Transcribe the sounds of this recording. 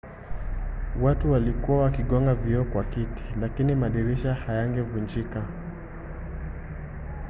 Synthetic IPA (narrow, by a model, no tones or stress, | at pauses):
watuwalikuwawakiɠɔŋɡaviɔkwakiti̥lakinimaɗiɾiʃahajaŋɡɛvund͡ʒika